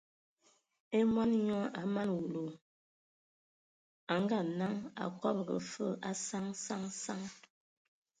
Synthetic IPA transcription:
e˦mwa˦n˦ɲɔ˦a˨ma˦nwu˨lo˨ | a˨ŋɡa˦˨na˦ŋa̰˨kɔ˦p̚ɣə̰˨fə˦˨ʔa˦sa˦ŋsa˦ŋsa˦ŋ

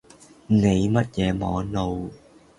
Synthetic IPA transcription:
ne˨˧jmɐ˦˥t̚jɛː˨˧˦mɔː˨˧˦no˨˧w

